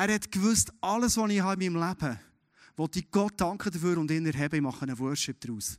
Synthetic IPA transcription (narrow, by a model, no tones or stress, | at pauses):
æːɾhɛtkvɵstʔɑləsʋɔniːɦɑɪmimlæb̥ə | ʋɔtiɡ̥ɔt̚dɑŋkχədəɾføːɾʊndɪnɛɾɦɛbəimɑχːənəwœːʃɪp̚d̥̪ɾuːs